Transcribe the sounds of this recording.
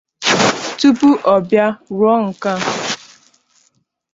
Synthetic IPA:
tu˦pu˦ʔɔ˨bja˦ɾɔ˦ŋ̩˨ka˦

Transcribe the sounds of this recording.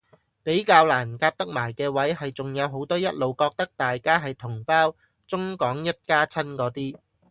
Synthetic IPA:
pe˨˥jkaː˧wlaː˨˩nkaː˧p̚t̪ɐ˥k̚maː˨˩jkɛː˧wɐ˨˥jɦɐ˨jt͡sʊ˨ŋjɐ˨˧wɦo˨˥wt̪ɔː˥jɐ˥t̚lo˨wkɔː˧k̚t̪ɐ˥k̚t̪aː˨jkaː˥ɦɐ˨jt̪ʰʊ˨˩ŋpaː˥w | t͡sʊ˥ŋkɔː˨˥ŋjɐ˥t̚kaː˥t͡sʰɐ˥nkɔː˨˥t̪iː˥

